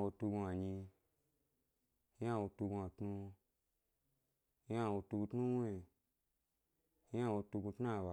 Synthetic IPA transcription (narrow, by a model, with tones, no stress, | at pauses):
wo˧tu˧ɡu˧a˨ɲĩ˧˦ | a˦˧˨wo˧tu˧ɡũ˧a˨tnu˧˦ | a˦˧˨wo˧tu˧ɡu˧tnu˦we˧˨˦ | a˦˧˨wo˧tu˧ɡu˧tn˦a˦˨ba˨